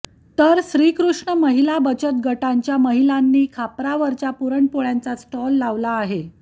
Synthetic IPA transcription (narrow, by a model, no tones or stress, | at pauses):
t̪əɾɕɾikɾuʂɳəməɦilabət͡ɕət̪̚ɡəʈaɲt͡ɕjaməɦilanːiːkʰapɾaʋəɾt͡ɕapuɾəɳpoɭjant͡sasʈɔlːaʋlaːɦe